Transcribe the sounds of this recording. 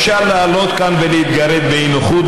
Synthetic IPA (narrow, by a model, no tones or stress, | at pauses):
ʃalːaːlo̞t̪kanvelehit̪ɡaɾed̪beinoχut̪